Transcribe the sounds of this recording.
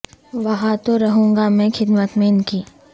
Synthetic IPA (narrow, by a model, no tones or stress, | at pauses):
ʋɐɦãt̪oɾɐɦũːŋɡamẽxʰɪd̪mət̪mẽɪnkiː